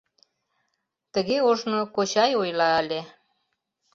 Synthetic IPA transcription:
t̪əɣeoʃnokot͡ɕɑjojlɑːle

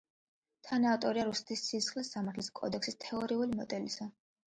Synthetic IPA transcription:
t̪ʰanat̪ʼɔɾiaɾusɛ̥t̪ʰisisχlisːamaɾt̪ʰliskʼɔ̰d̪ɛksist̪ʰɛɔɾiulimɔd̪ɛlisa

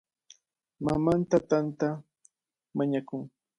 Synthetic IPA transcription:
mamant̪at̪ant̪a | maɲakʊŋ

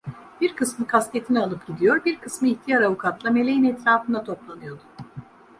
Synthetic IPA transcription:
biɾkʰɯsmɯkʰast̪ʰe̞t̪ʰinialˠɯpɟ̥ʲid̪ijo̞ɾbiɾkʰɯsmɯiçt̪ʰijaɾavukʰat̪lˠame̞lʲejinɛt̪ɾaːfɯnd̪at̪ʰo̞plˠanɯjo̞d̪ʊ

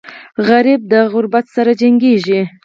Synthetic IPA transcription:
ɣaɾib̚d̪əɣʊɾbat̪saɾad͡ʒaŋɡeʒi

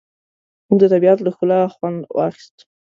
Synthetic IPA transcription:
muɡ̚d̪ət̪abiat̪ləxpəlɑxwand̪wɑ̰xi̥st̪

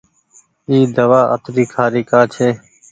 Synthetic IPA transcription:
iːd̪əʋaːʔə̰t̪ɾiːkʰaːɾiːkaːt͡ʃʰeː

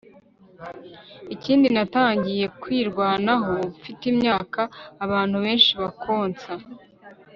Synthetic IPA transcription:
iciːndinataːɲɟije̞kwiːɾɡwaːnaɦofitimɲaːkaːβaːn̥huβe̞ːnʃiβakʰo̞ːnt͡sa

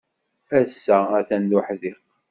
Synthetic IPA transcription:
æsːææθænd̪uħðiq

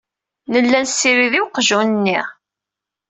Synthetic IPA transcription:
nəlːænsːiɾiðiwqʒunənːiʁ

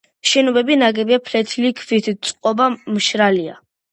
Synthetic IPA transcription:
ʃɛnɔbɛbinaɡɛbiapʰlɛt̪ʰlikʰvit̪ʰt̪sʼqʼɔbamʃɾalia̰

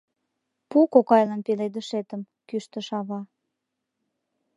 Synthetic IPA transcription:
pukokɑjlənpeled̪əʃet̪əm | kyʃt̪ə̆ʃɑβɑ

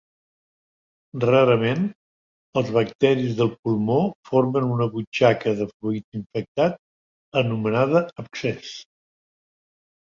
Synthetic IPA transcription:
raɾəmen | əlˠzβək̚t̪ɛɾizðəlˠpulˠmofoɾmənunəβut͡ʃakəðəfɾuit̪iɱfək̚t̪at̪̚ | ənumənaðəəpsɛs

